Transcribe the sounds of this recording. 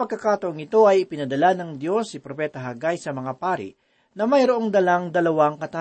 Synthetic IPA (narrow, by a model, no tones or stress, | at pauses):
pɐɡ̚kːɐkaːt̪ɐʔoŋɪt̪o̞ɐjɪpɪnɐd̪ɐlanɐŋd̪jo̞sːɪpɾopɛːt̪ɐɦɐɡajsɐmɐŋapaːɾɪ̰ʔ | nɐmɐjɾoʔo̞ŋd̪ɐlaŋd̪ɐlɐwaŋkɐt̪a